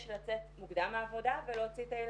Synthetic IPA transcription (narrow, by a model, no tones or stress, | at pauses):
ʃlat͡setmuɡd̪amaːvo̞d̪avelot͡sit̪ajel